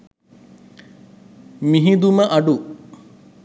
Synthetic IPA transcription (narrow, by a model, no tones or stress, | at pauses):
miɦid̪uməʔɐɖu